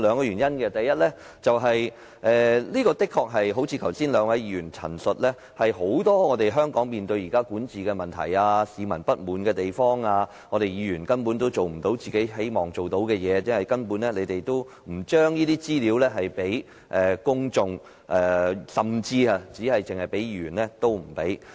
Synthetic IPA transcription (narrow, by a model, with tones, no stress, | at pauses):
lœː˨˧ŋkɔː˧jyː˨˩njɐ˥nkɛ˧t̪ɐ˨jɐ˥t̚lɛ˥ | t͡sɐ˨wɦɐ˨j | ʔɛ˨liː˥kɔː˧t̪ɪ˥kʰːɔː˧k̚ɦɐ˨jɦo˨˥wt͡sʰiː˨˧t̪ʰɐ˨˩wsiː˥nlœː˨˧ŋwɐ˨˧jjiː˧jyː˨˩nt͡sʰɐ̰˨˩nsɵ˨t̚lɛ˥ | hɐ˨jɦo˨˥wt̪ɔː˥ŋɔː˨˧t̪e˨jɦœː˥ŋkɔː˨˥ŋmiː˨nt̪ɵ˧ɥjiː˨˩kaː˥kuː˨˥nt͡siː˨kɛ˧mɐ˨nt̪ʰɐ̰˨˩jaː˧siː˨˧mɐ˨˩npɐ˥t̚muː˨˥nkɛː˧t̪e˨jfɔː˥ŋaː˧ | ŋɔː˨˧ɾe˨jiː˨˧jyː˨˩nkɐ˥npuː˨˥nt̪o˥wt͡so˨wm̩˨˩t̪o˨˥wt͡siː˨ke˨˥jɦe˨˥jmɔː˨˩ŋt͡so˨wt̪o˨˥wkɛː˧jɛː˨˧jɛ˥nɐ˨˩jkɐ˥npuː˨˥nlɛ˥le˨˧jt̪e˨jt̪o˥w | m̩˨˩t͡ʃœː˥ŋjiː˥t̪iː˥t͡siː˥liː˨˧wlɛː˥ɦɐ˨jpe˨˥j | ʔɛː˨kʊ˥ŋt͡sʊ˨ŋ | ʔɛ˨sɐ˨mt͡siː˧a˧t͡siː˨˥hɐ˨jt͡sɪ˨ŋhɐ˨jpe˨˥jyː˨˩nlɛ˦˥t̪o˥wm̩˨˩pe˨˥j